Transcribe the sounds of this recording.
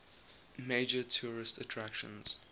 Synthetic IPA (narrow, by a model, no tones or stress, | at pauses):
meɪd͡ʒətʰuːɹɪstətʰɹakʃə̰̃nz̥